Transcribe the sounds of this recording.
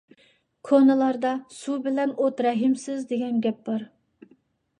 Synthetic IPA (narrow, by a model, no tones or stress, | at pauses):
kʰonɨlˠɑɾd̪ɑsubɪlɛnot̪ɾɛɦɪmsɪzd̪eɡʲɛnɡʲɛp̚bɑɾ